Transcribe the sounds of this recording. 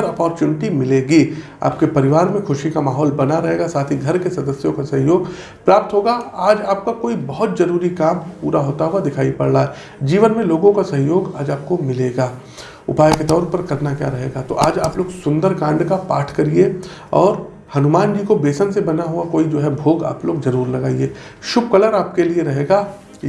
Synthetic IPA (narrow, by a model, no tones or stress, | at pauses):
əɾɐpɔːɾt͡ʃuːnɪʈimɪleːɡiː | a̰ːp̚kepɐɾɪʋaːɾmẽxʰʊʃikamaːɦɔːlbɐnaɾɐɦeːɡasaːt̪ʰiɡʱɐɾkesɐd̪əsjõkasɐ̃ɦjoːɡ | pɾaːp̚t̪ɦoːɡaaːd͡ʒaːp̚kakoːibɐɦʊt̪̚zɐɾuːɾikaːmpuːɾaɦoːt̪aɦʊad̪ɪkʰaːipɐ̰ɽnaɦɛː | d͡ʒiːʋənmẽloːɡõkasɐ̃ɦɪjoːɡaːd͡ʒaːp̚komɪleːɡaː | ʊ̰paːjket̪ɔːɾpɐɾkɐɾnakja̰ːɾɐɦḛːɡat̪oʔaːd͡ʒaːploːɡsʊ̃nd̪əɾkãːɳɖkapaːʈʰkɐɾie | ɔːɾ | hɐnʊmaːnd͡ʒikobeːsənsebɐnaɦʊakoːid͡ʒoːɦɛbʱoːɡa̰ːploːɡzɐɾuːɾlɐɡaːieː | ʃʊbkɐləɾaːp̚kelieɾɐɦeːɡaː